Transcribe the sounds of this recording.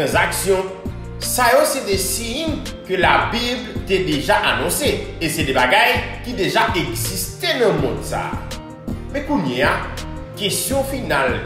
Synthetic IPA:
ɑ̃zaksjɔ̃ | sajosɛdesiɲ | kølabiblt̪ed̪eʒaʔanɔ̃seesɛdɛbaɡajkid̪eʒaʔeɡzist̪enɐ̃mɔ̃d̪sa̰ː | mɛ̃kuɲeakest̪jɔ̃final

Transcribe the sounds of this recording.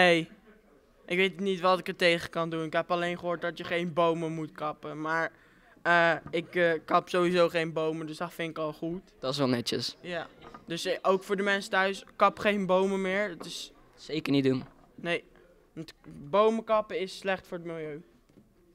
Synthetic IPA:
nej | ʔɪkʋejtnitʋɑtɪkətejχəkɑndunɪkɦɛpɑlejnχəɦoːɹt̚dɑtjəχejnbowməmutkɑpəmaːɹ | əɪkəkːɑpsowizowχejnbowmədøsdɑnfɪnɪkɑlˠχutd̥ɔtsʋɛlˠnɛtə̰sjadøsowkfʊːɹdəmɛnsətœɥskɑpχejnbowməmɪːɹtɪs | sejkəɹnitdun | nej | ɑntbowməkɑpəɪsːlɛχtfʊːɹətmɪlˠjøɥ

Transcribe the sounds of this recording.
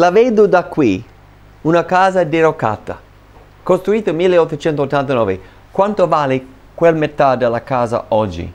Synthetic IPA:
laveːd̪ʊd̪akːwi | unakaːzad̪eɾoka̰t̪ːa̰ | kost̪ɾuiːt̪əmilːeɔt̪ːot͡ʃɛnt̪oot̪ːant̪anɔːve | kwant̪ovaːlɪ | kwelmet̪ad̪elːakaːza̰ɔd͡ʒːḭ

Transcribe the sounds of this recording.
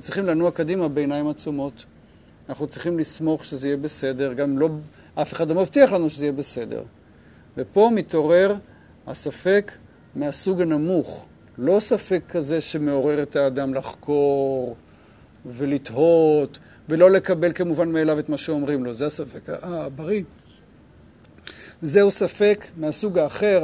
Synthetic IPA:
anut͡sʁiχimlanuakodimabeːnaimat͡sumo̞t̪ | anaχnut͡sʁiχimlismo̞χʃezeijebese̞de̞ʁɡamlo̞ | ʔafeχadlomavtiaχlanuʃezeijebese̞dḛʁ | vepo̞mito̞ʁe̞ʁ | ha̰safe̞k | measuɡanamuχ | lo̞safe̞kʰːaze̞ʃeme̞o̞ʁe̞ʁet̪aːd̪amlaχkʰo̞ʁ | ve̞lit̪ho̞t̪ | velo̞le̞kabelkemuvanmeːlavet̪maʃeo̞mʁimlo̞zeasafe̞kaabaʁi | zeusafe̞kmeasuɡaːχe̞ʁ

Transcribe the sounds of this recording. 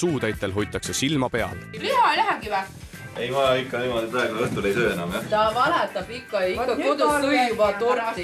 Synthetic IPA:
suːt̪æjt̪ːˑelɦo̞jt̪ːˑɑkse̞silmɑpe̞ɑ̰llihɑejlæɦæmɡ̥iʋæ | e̞jmɑjɑikːɑniːmod̪ipɾɑeɡunɤht̪ule̞jsøːenɑmjɑt̪ɑvɑlɛt̪ːˑɑb̥ikːɑjikːɑkod̪uubɑt̪oɾɑ

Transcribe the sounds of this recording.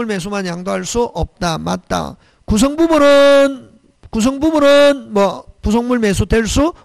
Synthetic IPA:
uɭme̞s̬ʰumanjaŋdoɦaɭs͈uʔʌp̚t͈ama̰t̚t͈a̰ | kus̬ʰʌŋbumɯɾɯn | kus̬ʰʌŋbumɯɾɯnmwʌpusʰoŋmuɭmesʰudweɭs͈u

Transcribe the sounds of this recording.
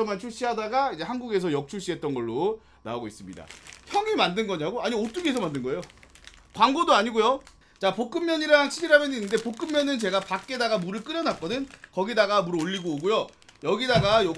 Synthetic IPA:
ʌmant͡ɕʰuɭɕ͈iɦadaɡaid͡ʑe̞hanɡuɡe̞s̬ʰʌjʌk̚t͡ɕʰuɭɕ͈iɦe̞t̚t͈ʌnɡʌɭːo | na̰oɡois͈ɯmɲḭda̰çjʌŋimandɯnɡʌɲaɡoaɲiot͈ɯkʰesʰʌmandɯnɡʌe̞jo | kwaŋɡodoaɲiɡojo | t͡ɕapok͈ɯmːjʌɲiɾaŋɕʰiɾiɾamjʌninːɯnde̞pok͈ɯmːjʌnɯnt͡ɕe̞ɡapak͈̚e̞daɡamuɾɯɭk͈ɯɾjʌnak͈̚ʌdɯnkʌɡidaɡamuɾoʎːiɡooɡujojʌɡidaɡajo

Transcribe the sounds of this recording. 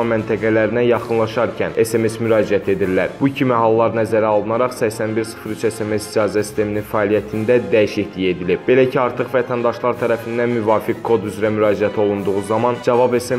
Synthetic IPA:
mænt̪ʰæɡælæɾinæjɑχɯnlˠɑʃɑɾcʰæne̞se̞me̞smyɾɑːd͡ʒiæt̪ʰe̞d̪iɾlæɾb̥ucʰimihɑlˠːɑɾnæzæɾæolˠɯnɑɾɑχsæçsænbiɾsɯ̥fɾyt͡ʃe̞se̞me̞sid͡ʒɑːzæsi̥st̪e̞mininfæːlijæt̪ʰind̪æd̪æjiʃiçlije̞d̪ilib̚be̞læcʰiɑɾt̪ʰɯχvæt̪ʰænd̪ɑʃlˠɑɾt̪ʰæɾæfind̪ænmyvɑːfikkʰːo̞d̪yzɾæmyɾɑːd͡ʒiæt̪ʰo̞lˠund̪uʁuzɑmɑnd͡ʒɑvɑbe̞se

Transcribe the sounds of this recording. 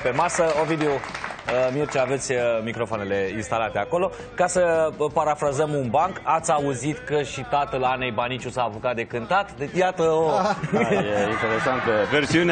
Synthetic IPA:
pe̞masəovid̪eoəmirt͡ʃaave̞t̪sʲmikɾo̞foane̞le̞inst̪alat̪eako̞lo̞ | kasəpaɾafɾazəmunbaŋkat̪sʲauzit̪kəʃit̪at̪əlanejbanit͡ʃusaːpukat̪̚d̪e̞kɨnt̪at̪d̪et͡ʃjat̪əo | jeint̪eɾesant̪əversiun

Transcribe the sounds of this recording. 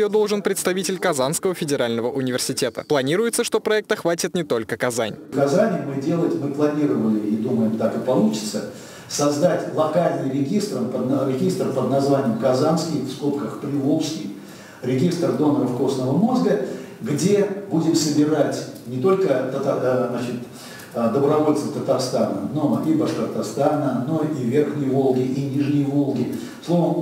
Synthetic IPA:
jod̪o̞lˠʐɨnpɾʲɪt̪st̪ɐvʲitʲɪlʲkɐzanskəvəfʲɪdʲɪɾalʲnəvəʔʊnʲɪvʲɪrsʲɪtʲet̪ə̰plˠɐnʲiɾʊjɪt̪səʂt̪o̞pɾɐɛk̚t̪əxvatʲɪt̪nʲɪt̪o̞lʲkəkɐza̰nʲkɐzanʲɪmɨdʲe̞lˠətʲmɨplˠɐnʲiɾəvəlʲɪid̪uməjɪmt̪akɨpɐlˠut͡ɕɪ̥t̪sə | sɐzd̪atʲlˠɐkalʲnɨjɾʲɪɡʲist̪rəmpəd̪ɾʲɪɡʲist̪rpəd̪nɐzvanʲɪjəmkɐzanskʲɪjfskopkəxpɾʲɪlˠopskʲɪj | ɾʲɪɡʲist̪rd̪o̞nəɾəfko̞snəvəmo̞zɡə | ɡdʲebudʲɪmsəbʲɪratʲnʲɪt̪o̞lʲkət̪ət̪aznat͡ɕɪt̪ | d̪əbɾɐvo̞lʲt̪səft̪ət̪ɐrst̪anə̰noibɐʂkərt̪ɐst̪anəno̞ivʲerxnʲɪjəvo̞lˠɡʲɪʔinʲiʐnʲɪjəvo̞lˠɡʲɪ | slˠo̞vəm

